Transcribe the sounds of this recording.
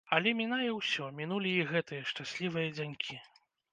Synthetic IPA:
ɐlʲɛmʲinajɛwsʲɔmʲin̪ulʲiːɣɛt̪ɨjɐʂt͡ʂasʲlʲivɨjɐd͡zʲanʲkʲʰi

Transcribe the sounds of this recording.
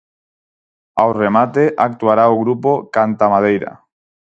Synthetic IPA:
awremat̪eʔak̚t̪uaɾaoɣ̞ɾupokant̪amað̞ejɾa̰

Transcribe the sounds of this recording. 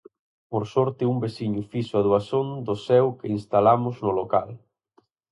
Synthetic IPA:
poɾsɔɾt̪ɪumbesiɲʊfisʊaðuasond̪ʊsɛwkeinst̪alamʊznʊlokal

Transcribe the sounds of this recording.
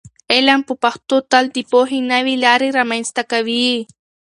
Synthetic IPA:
elampʊpaχt̪ot̪ald̪ipoɦinaβilaɾiɾamajnst̪akaβii

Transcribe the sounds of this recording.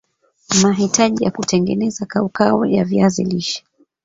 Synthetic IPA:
maɦitaʄijakutɛŋɡɛnɛzakaukaɔjaviazḭliʃɛ̥

